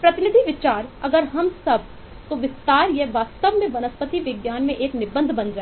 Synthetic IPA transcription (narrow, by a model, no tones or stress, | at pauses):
pɾɐt̪ɪnɪd̪ʱiʋɪt͡ʃaːɾɐɡəɾɦɐmsɐb̚ | t̪oʋɪst̪aːɾjɛʋaːt̪st̪əʋmẽʋɐnəspət̪iʋɪɡjaːnmẽʔeːknɪbə̃nd̪ʱbɐ̃nd͡ʒaː